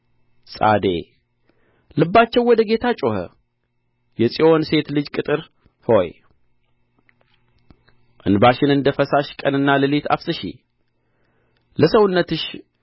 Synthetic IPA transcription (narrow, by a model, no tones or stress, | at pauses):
sʼa̰d̪ḛ | lɨbːat͡ʃːɛwɔd̪əɡe̞t̪ʰat͡ʃʼohə̰ | jɛsʼio̞nse̞t̪lɨd͡ʒkʼɨt̪ʼɨɾ | ho̞̰j | ʔɨ̰nbaʃɪnɨnd̪əfəsaʃkʼənɨnːaləlit̪ʰa̰fsɨʃḭ | ləsəwnːət̪ɨʃ